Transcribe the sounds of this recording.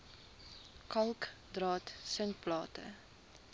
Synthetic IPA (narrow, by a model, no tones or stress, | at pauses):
kɐlˠk | drɑːtsəntplɑːtə̰